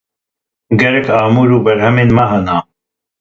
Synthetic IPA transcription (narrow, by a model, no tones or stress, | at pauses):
ɡɐɾɐkaːmuːɾuːbɐɾɦhɐmeːnmɐɦɐnaː